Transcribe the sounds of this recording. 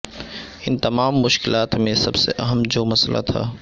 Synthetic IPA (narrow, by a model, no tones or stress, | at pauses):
ɪnt̪ɐmaːmːʊʃkɪlaːt̪mẽsɐbsḛʔɐɦəmd͡ʒoːmɐslʔa̰t̪ʰa̰ː